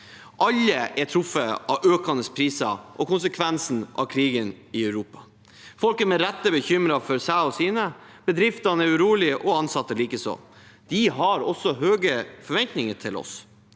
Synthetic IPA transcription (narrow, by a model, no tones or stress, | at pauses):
ʔɑlːəʔɛʈʰɾʊfəɑʋøːkɑnəspʰɾiːsɑʔɔkʊnsəkʰʋɛnsn̩ʔɑ̰ʋkʰɾiːɡən | ɪœʉɾuːpɑ̥ | fɔlkəmɛɾɛt̪ːəbəçʏmɾɑfɔɾsæɔsiːnə | b̥əd̪ɾɪft̪ɑnəɛɾʉɾuːlɪʔɔɑnsɑt̪ːəliːkəsɔ̰m | d̪̥ɪɦɑɾɔsːɔhøːɡəfɔɾʋɛnt̪nɪŋəʈʰɪlɔ̰s